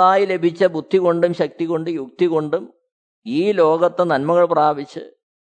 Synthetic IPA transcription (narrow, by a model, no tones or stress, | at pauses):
aːjile̞bʱit͡ɕːɐbʱud̪ʱːiɣo̞ɳɖumɕɐk̚t̪iɣo̞ɳɖɨjuk̚t̪iɣo̞ɳɖum | iːlo̞ːɡɐt̪ːenɐnmɐɣɐɭpraːbit͡ɕːɨ̰